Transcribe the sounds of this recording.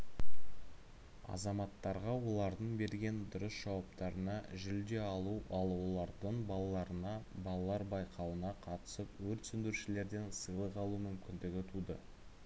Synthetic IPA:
ɑ̰zɑmɑt̪ːɑɾʁɑwo̞lˠɑɾd̪əɴbe̞ɾɡʲe̞nd̪ʊɾəsʒ̥ɑwɑp̚t̪ɑɾənɑʒʏld̪e̞ɑlˠuʔɑlˠwolˠɑɾd̪əɴbɑlˠɑlˠɑɾənɑbɑlˠɑlˠɑɾbɑjqʰɑwənɑqʰɑt̪ə̥səpwɵɾt̪sʏnd̪ɪɾuʃɪle̞ɾd̪e̞nsəjlˠəqɑlˠumʏmkʲɪnd̪ɪɡʲɪt̪ʰud̪ə̰

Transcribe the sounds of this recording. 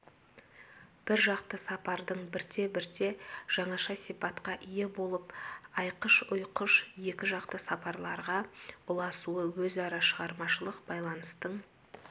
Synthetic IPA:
b̥ɪɾʒɑqt̪əsɑpɑɾd̪əɴbɪɾt̪e̞bɪɾt̪e̞ʒ̥ɑɴɑʃɑsijpɑt̪qɑʔije̞bo̞lˠəpɑjqəʃʊjqəʃje̞kʲɪʒɑqt̪əsɑpɑɾlˠɑɾʁɑʊlˠɑsuəwɵzɑɾɑʃəʁɑɾmɑʃəlˠəqbɑjlˠɑnəst̪əɴ

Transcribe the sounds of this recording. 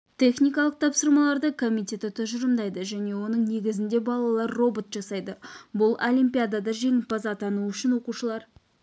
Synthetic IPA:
t̪ʲʰe̞χnijkɑlˠəq̚t̪ʰɑpsəɾmɑlˠɑɾd̪əkʰo̞mijt̪ʲe̞t̪ɪt̪ʰʊʒɪɾəmd̪ɑjd̪əʒæne̞wo̞nəɴne̞ɡʲɪzɪnd̪e̞bɑlˠɑlˠɑɾːo̞bo̞t̪ʒɑsɑjd̪əbʊlˠolʲimpʲijad̪ad̪ɑʒe̞ŋɪlpʰɑzɑt̪ʰɑnuʏʃɪnwo̞quʃəlˠɑɾ

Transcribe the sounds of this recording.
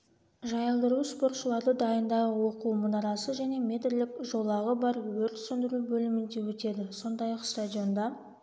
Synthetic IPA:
ʒɑjəlˠd̪əɾuspo̞rt̪ʃəlˠɑɾd̪əd̪ɑjənd̪ɑʁəwo̞quwmənɑɾɑsəʒæne̞mʲe̞t̪ɪɾlɪkʒo̞lˠɑʁəbɑɾwɵɾt̪sɵnd̪ɪɾubɵlɪmɪnd̪e̞wɵt̪e̞d̪ɪso̞nd̪ɑjɑqst̪ad̪ʲijo̞nd̪ɑ

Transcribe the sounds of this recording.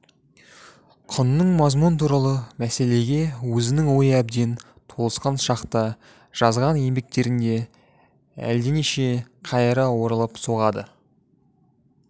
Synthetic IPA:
qʰʊnːəɴmɑzmunt̪ʰuɾɑlˠəmæse̞le̞ɡʲe̞wɵzɪnɪŋwo̞jæb̚d̪e̞n | t̪ʰo̞lˠəsqɑnʃɑqt̪ə | ʒ̥ɑzʁɑnje̞mbe̞k̚t̪e̞ɾɪnd̪e̞ | æ̰ld̪eneʃeqʰɑjəɾɑwo̞ɾəlˠəpsoʁɑd̪ə

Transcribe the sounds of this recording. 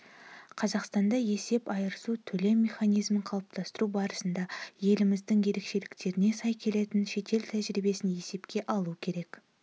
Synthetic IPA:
qʰɑzɑqst̪ɑnd̪ɑje̞se̞pɑjəɾəsut̪ʰɵle̞mʲːe̞χɑnijzməɴqʰɑlˠəp̚t̪ʰɑst̪əɾubɑɾəsənd̪ɑje̞lɪmɪzd̪ɪŋje̞ɾe̞kʃe̞lɪkt̪e̞ɾɪne̞sɑjkʲʰe̞le̞t̪ɪnʃe̞t̪e̞lt̪ʰæʒɪɾibe̞sɪnje̞se̞pkʲe̞ʔɑlˠukʲʰe̞ɾe̞k

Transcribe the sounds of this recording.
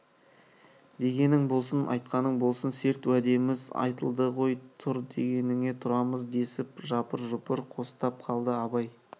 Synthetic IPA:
d̪e̞ɡʲe̞nɪŋbo̞lˠsənʔɑ̰jt̪qɑnəɴbo̞lˠsənse̞ɾt̪wæd̪e̞mɪzɑ̰jt̪əlˠd̪əʁo̞jt̪ʰʊɾd̪e̞ɡʲe̞nɪŋe̞t̪ʰʊɾɑməzd̪e̞sɪpʒɑpəɾʒʊpəɾqʰo̞st̪ɑp̚qʰɑlˠd̪əɑbɑj

